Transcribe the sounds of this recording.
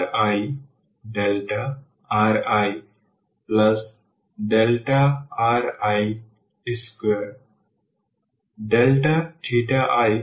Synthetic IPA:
ɾaj | ɖelʈa | aɾaj | plɐs | ɖelʈaaɾaj | ɪskeɾ | ɖelʈaʈʰiʈaʔaj

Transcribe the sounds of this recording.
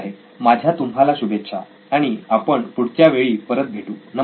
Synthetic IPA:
ɦe | mad͡ʑʱjat̪umɦalaɕubʱet̪ːɕʰa̰ | aɽ̃iapəɳpuɽ̤t͡ɕjaʋeɭiːpəɾət̪̚bʱeʈuːnə

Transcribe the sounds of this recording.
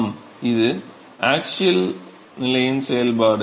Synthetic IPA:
m | iðɨ | aːk̚t͡ɕuɐl | nɪlɐjinsejɐlbaːɽɯ

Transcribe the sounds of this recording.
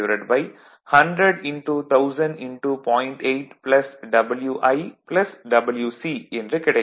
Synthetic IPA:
ʋɾɐɖbɐɪ | hɐɳɖɾɐɖɪnʈut̪ʰɐʊsɐnɖɪɳʈupɔ̃ːɪɳʈeɪʈplɐsɖɐbəljuːʔɐɪplɐsɖɐbəljuːsiːendɾɯkɪɽɐɛ

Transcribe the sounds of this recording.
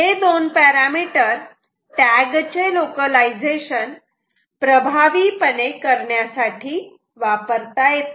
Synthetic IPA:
ɦed̪onpɛɾamiʈəɾ | ʈɛɡt͡ɕelokəlaid͡zeɕən | pɾəbʱaʋiːpənekəɾɳjasaʈʰiː | ʋapəɾt̪ajet̪

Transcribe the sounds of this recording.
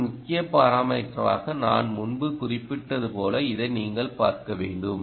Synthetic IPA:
mʊkːɪjɐpːɐːɾaːmɐʈrɐʋa̰ːɣɐna̰ːnmʊnbɯkʊrɪpːɪʈːɐðɯpoːlɐɪðɐɪniːŋɡɐɭpaːɾkɐʋeːɳɖɯm

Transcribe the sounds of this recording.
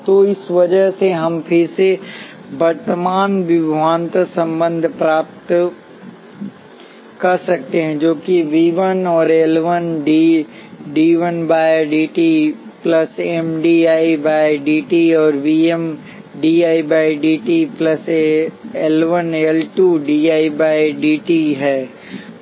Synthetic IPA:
t̪oːɪsʋɐd͡ʒəɦseɦɐmpʰɪɾse | bɐɾt̪əmaːnʋɪbʱʋaːnt̪sɐ̃mbə̃nd̪ʱpɾaːp̚t̪ | kɐɾsɐk̚t̪eɦɛ̃d͡ʒoːkiʋiːʋənɔːɾeːlʋənɖi | ɖiːʋənbaːjɖiːʈiplɐsemɖiaːibaːjɖiːʈiɔːɾʋiːem | ɖiːaːibaːjɖiːʈiplɐseelʋənelʈuːɖiːaːibaːjɖiːʈiɦɛː

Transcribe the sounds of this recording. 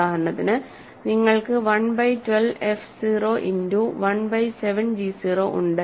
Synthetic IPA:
aːɦɐnːɐðinɨ | niŋːɐɭkɨʋɐɳbɐjtwelʋefsiːroːʔinduʋɐnbɐjseʋɐnd͡ʑisiːroʔuɳɖɨ

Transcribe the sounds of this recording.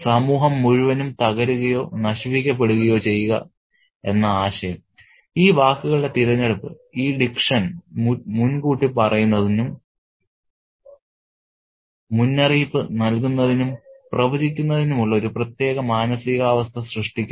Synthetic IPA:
sɐmuːɦɐmːuɻuʋɐnumt̪ɐɣɐɾuɣɐjo̞ːnɐɕʋikʲːɐp̬ːe̞ɽuɣɐjo̞ːt͡ɕe̞jːuɣɐ̰ | e̞nːɐaːɕɐjɐm | iːʋaːkːuɣɐɭɨɽe̞t̪iɾɐɲːeɽɐpːɨiːɖikʂɐnmunkuːʈːipɐrɐjunːɐðinum | unːɐriːpːɨnɐlkunːɐðinumprɐʋɐd͡ʑikʲːunːɐðinumuɭːɐoɾuprɐt̪je̞ːɣɐmaːnɐsiɣaːʋɐst̪ʰɐsrɨʂʈikʲːu

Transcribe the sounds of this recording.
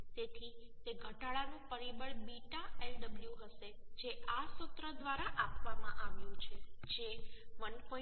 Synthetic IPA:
t̪et̪ʰit̪eɡʱəʈaɭanũpəɾibəɭbiʈaelɖəbljũɦəʃed͡ʒeʔasʊt̪ɾəd̪ʋaɾaʔapʋamãʔaʋjũt͡ʃʰed͡ʒeʋənko

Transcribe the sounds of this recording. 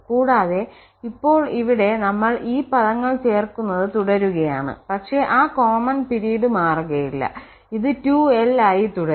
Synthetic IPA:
kuːɽaːðe̞ | ipːo̞ːɭiʋiɽe̞nɐmːɐɭʔiːpɐðɐŋːɐɭt͡ɕe̞ːrkunːɐðɨt̪uɽɐɾuɣɐjaːɳɨ̰pɐkʂe̞ʔaːko̞ːmɐnpiɾijɽɨmaːruɣɐjilːɐ̰ | iðɨtuelaːjit̪uɽɐ

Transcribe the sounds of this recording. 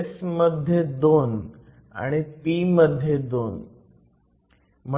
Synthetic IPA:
sməd̪ʱjed̪on | a̰ɽ̃ipiməd̪ʱːjed̪on | m̤ə

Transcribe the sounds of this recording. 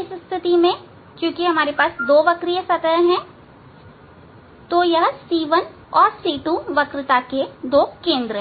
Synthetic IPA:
ɪsst̪ʰɪt̪imẽ | kjũːkiɦɐmaːɾepaːsd̪oːʋɐkɾijəsɐt̪əɦɛ̃ | t̪ojɐɦsiːʋən | ɔːɾsiːʈuʋɐkɾɪt̪aked̪oːkẽːnd̪ɾəɦɛ̃

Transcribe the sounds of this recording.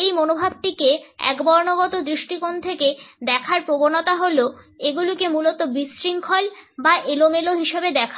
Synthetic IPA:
ejmonobʱab̚ʈikeɛ̰kbɔɾnoɡɔt̪od̪ɾiʃʈikont̪ʰeked̪ɛkʰaɾpɾobonot̪aɦoloeɡulikemulot̪obisɾiŋkʰɔlbaʔelomeloɦiʃebed̪ɛkʰa

